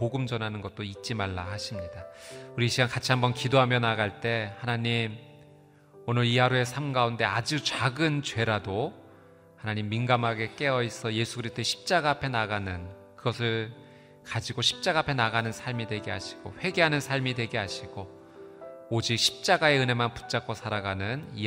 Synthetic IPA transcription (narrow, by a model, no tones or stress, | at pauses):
poɡɯmd͡ʑʌnɦanɯnɡʌt̚t͈oit̚t͡ɕ͈imaɭːa̰haɕʰimɲidauɾiɕʰiɡankat͡ɕʰiɦambʌnkidoɦamjʌnaɡaɭt͈e̞hanaɲim | onɯɾiaɾue̞sʰamɡaunde̞ad͡ʑut͡ɕaɡɯnt͡ɕwe̞ɾado | hanaɲimːinɡamaɡe̞k͈e̞ʌis͈ʌje̞sʰuɡɯɾistʰoeɕʰi̥p̚t͡ɕ͈aɡaapʰe̞naɡanɯn | kɯɡʌsʰɯɭ | kad͡ʑiɡoɕʰi̥p̚t͡ɕ͈aɡaɦapʰenaɡanɯnsʰaɭmidwe̞ɡea̰ɕʰi̥ɡ̥oɸwe̞ɡe̞ɦanɯnsʰaɭmidwe̞ɡeaɕʰiɡ̥o | od͡ʑik̚ɕʰi̥p̚t͡ɕ͈aɡae̞ɯne̞manpu̥t͡ɕ͈ak͈ʰːosʰaɾaɡanɯni